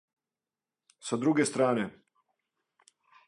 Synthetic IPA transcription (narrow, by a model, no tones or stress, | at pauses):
sad̪ɾuɡest̪ɾaːne